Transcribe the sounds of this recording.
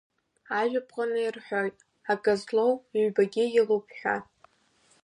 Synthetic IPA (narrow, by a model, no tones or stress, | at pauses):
aʒᶣapʰqʼanɨjrħʷᶣojtʼ | akʼazlowɥbaɡʲɪjɪlupʰħʷᶣa̰